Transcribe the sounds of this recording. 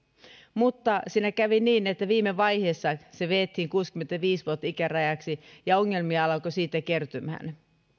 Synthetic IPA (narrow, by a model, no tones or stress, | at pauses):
mut̪ːɑsiːnækæʋiniːnet̪ːæʋiːmeʋɑjheːsːɑseʋeːt̪hiŋkuːskyment̪æʋiːsʋuot̪ːɑikærɑjɑksijɑoŋːe̞lmiɑɑlɑkosiːt̪ːæke̞rt̪ymhæ̰n